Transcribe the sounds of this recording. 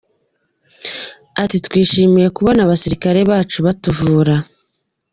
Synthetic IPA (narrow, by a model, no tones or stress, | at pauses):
atitkwiːʃiːmije̞kuβonaβasiɾikaɾe̞βaːt͡ʃuβatuvuːɾa